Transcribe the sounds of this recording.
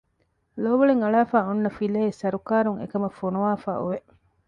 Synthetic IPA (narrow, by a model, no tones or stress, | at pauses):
loːʋɐɭeŋɐɭaːfaːunːɐfilɐesɐɾukaːɾuŋḛkɐmɐfonuʋaːfa̰ːʔṵʋe